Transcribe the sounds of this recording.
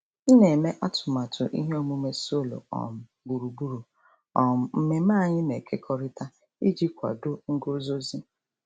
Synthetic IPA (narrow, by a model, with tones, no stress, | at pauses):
i˦ne˨me˦ʔa˦tʰʊ̥˨ma˨tʰʊ̰˨ʔḭ˦ɦe˦o˦mu˦me˦so˦˨lo̰˨ɔ̰˨m̩˨ | bu˨ɾu˨bu˦ɾu˨ | ɔ˨m̩˦˨m̩˦me˨m̩˦a˦˨ɲɪ˦ne˨kʰe˦kʰɔ˦ɾɪ˦ta˦ | i˦d͡ʒi˦kʷa̰˨dʊ˦ŋ̩˦ɡʊ˦zo˦zi˦